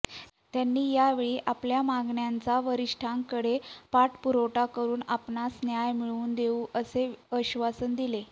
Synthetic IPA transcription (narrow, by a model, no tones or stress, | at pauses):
t̪janːiːjaʋeɭiːʔapljamaɡɳjant͡saʋəɾiʂʈʰãŋkəɽepaʈpuɾoʈakəɾuːnapnasnjajmiɭuːnd̪euːʔəseəɕʋasənd̪ile